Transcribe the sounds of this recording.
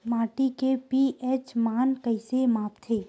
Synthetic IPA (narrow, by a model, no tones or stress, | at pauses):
maːʈikepiʔɛːt͡ʃmaːnkəɪsemaːpt̪ʰeː